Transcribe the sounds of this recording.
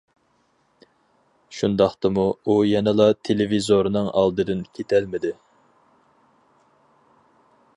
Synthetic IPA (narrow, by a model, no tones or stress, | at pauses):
ʃund̪ɑχt̪ɨmuujɛnɛlˠɑt̪ʰelɪvizoɾnɨŋɑ̰lˠd̪ɨd̪ɪnkʲʰet̪ʰɛlmɪd̪ɪ